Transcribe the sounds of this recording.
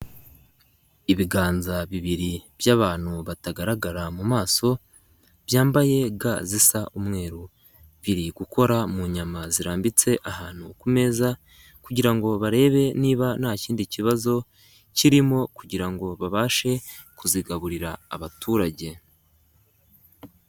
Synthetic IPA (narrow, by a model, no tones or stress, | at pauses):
iβiɡaːnzaβiβiɾibjaːβaːn̥huβataɡaɾaɡaɾamumaːso̞ | β̥jaːmbaje̞ɡazisaʔumŋe̞ːɾu | βiɾiɡukʰo̞ɾamuɲamaziɾaːmbit͡se̞ʔahaːn̥hukume̞ːza | kuɟiɾaŋɡo̞βaɾe̞ːβe̞niːβanaːciːndiciβazo̞ | ciɾimo̞kuɟiɾaŋɡo̞βaβaːʃe̞ | kuziɡaβuɾiɾa̰ːβatʰuːɾaɟe̞